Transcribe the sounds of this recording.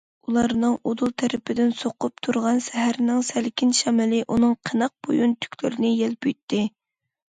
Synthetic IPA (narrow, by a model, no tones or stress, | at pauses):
ulˠɑɾnɨŋod̪ulˠt̪ʰæɾɪpʰɪd̪ɪnsoqʊp̚t̪ʰuɾʁɑnsɛɦæɾɪnɪŋsælkʲʰinʃɛmɪlɪʔunɨŋqʰənəq̚b̥ojunt̪ʰy̥kʲlɪɾɪnɪjɛlpyjt̪ʰːɪ